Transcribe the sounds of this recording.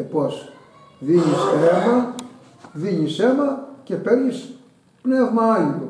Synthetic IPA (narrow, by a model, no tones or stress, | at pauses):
epos | ðiɲisenɐ | ðiɲise̞nɐce̞peɾɲis | pnevmɐɐlit̪u